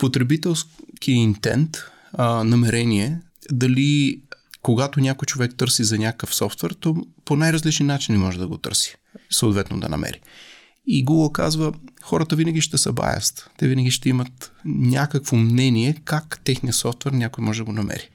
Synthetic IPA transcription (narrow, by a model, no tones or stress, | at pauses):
pot̪ɾɛbit̪ɛlˠskiɛint̪ɛ̰nt̪ | nɐmɛɾɛniɛ | d̪ɐli | koɡat̪onʲakojt͡ʃovɛk̚t̪ɤɾsizɐnʲakkəfsɔft̪vɛɾt̪ɔponajɾɐzlit͡ʃɛnnat͡ʃinimɔʒɛd̪ɐɡot̪ɤ̰ɾsi̥ | sɐoːt̪vɛt̪no̰d̪ɐ̰nɐ̰mɛ̰ɾi | iɡuɡəlˠka̰zvəxɔɾət̪əvinɐɡʲiʃt̪ɛsɐ̰ba̰jɐ̰st̪t̪ɛvinəɡʲiʃt̪ɛimɐt̪nʲakəkvomnɛniɛkakt̪ɛxniəsɔft̪vɛɾnʲakojmɔʒɛd̪ɐɡonɐmɛ̰ɾi